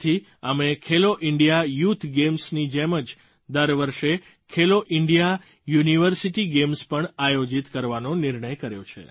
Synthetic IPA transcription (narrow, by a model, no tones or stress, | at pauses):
t̪ʰi | əmekʰeloʔɪɳɖijajut̪ʰɡemsnid͡ʒeməd͡ʒ | d̪əɾʋəɾʃe | kʰeloʔɪɳɖija | juniʋəɾsiʈiɡemspəɳajod͡ʒit̪kəɾʋanonɪɾɳəjkəɾjo̰t͡ʃʰḛ